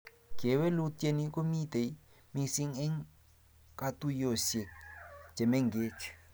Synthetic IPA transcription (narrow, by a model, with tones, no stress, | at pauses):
ɡɛ˨wɛ˦lu˦te˨ni˦k̬ʼo˦mi˦d̪e˨˦ | mi˦˧si˦ŋɛ˦ŋ | kʼa˦tu˦jo˨sɛ̥˨d͡ʒɛ˨mɛ˦ŋɡeː˦t͡ʃʰi̥˨